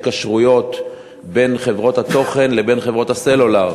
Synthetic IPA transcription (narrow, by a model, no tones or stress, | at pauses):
kaʃʁujo̞t̪ | be̞nχe̞vʁo̞t̪hat̪o̞χe̞nlebe̞nχevʁo̞thase̞lolaʁ